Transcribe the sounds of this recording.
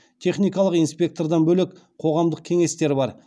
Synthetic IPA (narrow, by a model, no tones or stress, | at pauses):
t̪ʰe̞χnijkɑlˠəqijnspʲe̞k̚t̪o̞rd̪ɑnbɵlek | qʰo̞ʁɑmd̪əq̚kʲʰe̞ŋe̞st̪e̞ɾbɑɾ